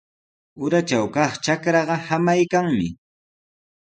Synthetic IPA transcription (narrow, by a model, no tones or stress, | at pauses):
ʊɾat͡ʃawkɑχt͡ʃakɾɑɢɑhamajkaŋmɪ